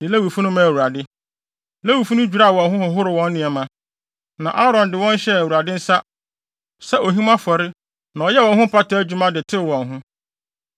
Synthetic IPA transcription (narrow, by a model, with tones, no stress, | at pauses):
dɪ˨le˦wi˨fu˦nʊ̃˦mã˦˨æ˨wu˨ɾa˨dɪ˦ | le˦wi˨fũ˦nʊ̃˦d͡ʑᶣu˨ɾa˦˨wɔ̃˨nɦʊ̃˦hʊ˨ɦʊ˦ɾɪ˨wɔ̃˨˦nː˦ɪ̃˨ɛ˨mã˨ | nã̰˨ʔa˦ɾɔ̃˨ndɪ˨wɔ̃˦n˦ɕɛ˦æ˨wu˨ɾa˨dɪ˦n̩˦sa˦ | sɛ˦ʔo˨ɦĩ˦mã˦fɔ˨ɾɪ˦ | nã˨ɔ˨jɛ˦wɔ̃˨nɦʊ̃˦pʰa˦ta˦d͡ʑᶣu˨˦mã˦dɪ˨tʰɪ˦˨wɔ̃˨nɦʊ̃˦